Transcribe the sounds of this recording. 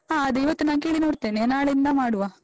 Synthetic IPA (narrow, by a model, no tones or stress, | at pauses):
aːɐd̪uiʋɐt̪ːunaːnk̬eːɭinoːɽt̪ːeːnenaːɭɐind̪aːmaːɽuʋaː